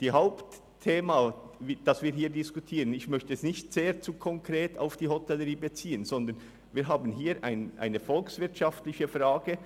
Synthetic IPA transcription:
d̥iːhaʊptʰː | eːmavid̥ɑsv̥iːɐɦiːdɪskutʰiːʁənɪçmœçtəɛsnɪçtz̥eːt͡suːkʰɔŋkʁ̥eːtʰa̰ʊfd̥iːhɔtʰɛləʁiːbət͡siːənzɔnd̪ən | viːɦaːbənɦiːɾʔa̰ɪnʔa̰ɪnəfɔlksv̥ɪɐtʃɑftlɪçəfʁaːɡə

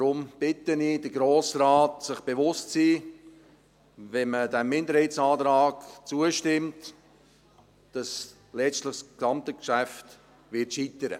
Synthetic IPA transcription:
ɾʊmb̥ɪtəniːdəɡɾoːsɾaːtsɪχb̥evʊstsiː | vɛnmədɛmːɪndəɾhɛɪt͡sɑːtɾaːɡt͡suəʃtɪmt | d̥ɑs | lɛʃtləχsksɑmtəkʃæft | vɪtʃitəɾə̰

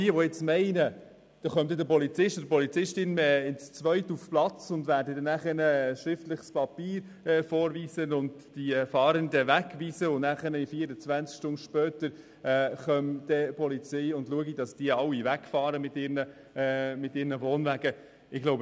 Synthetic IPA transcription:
iəʋɔjɛt͡smɛɪnə | d̥ɑχœmd̪ɛdəpɔlit͡sɪʃtdəpɔlit͡sɪʃtɪnɛɪnst͡sʋœʏtufplɑt͡sʊndvæːɾdədɛnæχəɾnəʃɾɪftləχspɑpiːɾ | ɛːfɔːɾviːsənʊnddifɑːɾəndəvækʋiːsəʊnnæχəɾnəifiːəɾət͡svænt͡skʃtʊndʃpœːt̪əɾ | ɛχœmd̥̪ɛpɔlit͡sɛɪʊndluəɡid̥ɑsd̥iəɑwːivækfɑːɾəmɪtːɪːɾnə | mɪtɪːɾnəvoːnvæɡ̥ə | ɪɡloʊbə

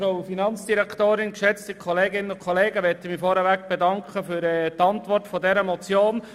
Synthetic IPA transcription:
ɾoʊfinɑnt͡sd̥iɾɛktoːɾɪnkʃɛt͡stəkʰχɔleːɡɪnənʊnkʰχɔleːɡəʋɛtəmifɔɾəʋækb̥ɛdɑŋkχəfyɾɛtɑntʋɔrtfɔdɛɾəmɔt͡sjoːn

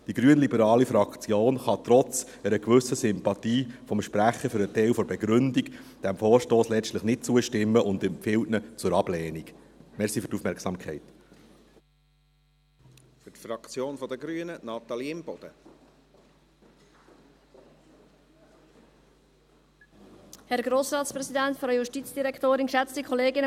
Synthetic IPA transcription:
d̥iɡ̥ɾyːənlibəɾɑːlifɾɑkt͡sjoːnχɑt̪ɾɔt͡s | ɛɾəkʋʏsəsʏmpɑtiːfɔmʃpɾæχəfʏɾətɛɪlfɔɾbɛɡɾɵndikd̥æmfɔːɾʃtoːslɛt͡ʃtləχnɪt̚t͡suəʃtɪmːəʔʊndɛmpfɪltnət͡sʊɾɑb̥lɛːnik | mɛɾsifʏɾtufmɛːɾksɑːmkʰχɛɪt | fʏtfɾɑkt͡sjoːnfɔd̪əɡɾyənənɑt̪ɑliɪmb̥ɔd̥̪ə | hɛɾɡɾoːsɾɑːtspɾɛsidɛntfɾɑjuʃtiːt͡sd̥iɾɛkt̪oːɾɪnʃɛt͡stikʰɔleːɡɪnə

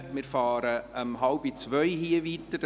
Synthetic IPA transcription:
mɪːɾfɑːɾəəmɦɑlb̥it͡sʋœʏɦiəvit̪əd

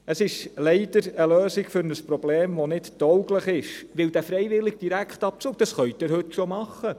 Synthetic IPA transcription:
əsɪʃlɛɪd̥əɾəløːsɪɡfʏɾnəspɾobleːmʋonɪtd̥ɔwɡləχɪʃʋɪld̪æfɾɛɪvɪlɪɡ̥̚d̥iɾækχtɑp̚t͡suːk̚d̥ɑsχœʏtɪɾhɵtʃomɑχːə

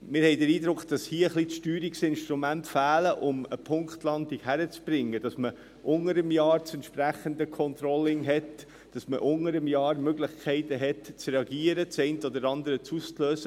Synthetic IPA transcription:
mɪːɾhɛɪdəɾiːd̪ɾʊkχd̥ɑshiəəχliʃtyːɾiksɪnʃt̪ɾumæntfæːləʔʊməpʰʊŋkχtlɑnd̪ikhæɾət͡sb̥ɾɪŋːəd̥ɑsmə | ʔʊŋəɾəmjɑːɾt͡sɛntʃpɾæχənd̪əkʰɔnt̪ɾɔlːɪŋɦɛt | d̥ɑsməʔʊŋəɾəmjɑːɾmøɡlɪχkʰɛɪtəɦɛtt͡sɾeɑɡiəɾət͡sɛɪntəɔd̪əɾɑnd̪əɾət͡suːst͡sløːsə

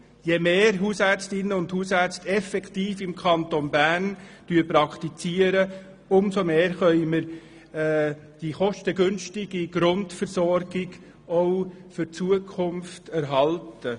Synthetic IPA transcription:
jemeːɾɦuːsæt͡stɪnːəʊndhuːsæɾt͡stɛfɛktiːfɪmkʰɑntonbæːɾnd̥yːɾpɾɑkʰtit͡siːəɾə | ʊmsomeːɾχœʏməɾ | d̥iχɔʃtəɡʏnʃtɪɡiɡ̥ɾʊndfəɾsɔɾɡ̥ɪɡ | ɔʊfʏt͡suəkʰχʊmftæɾɦɑltə

